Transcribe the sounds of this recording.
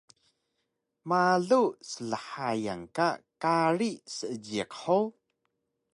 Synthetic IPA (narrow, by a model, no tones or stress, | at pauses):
maɮusəɮəħaja̰ŋkakaɾisəʔəd͡ʑiqħow